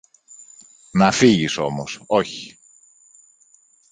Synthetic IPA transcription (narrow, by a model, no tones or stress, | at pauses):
nɐfiʝiso̞moso̞çi̥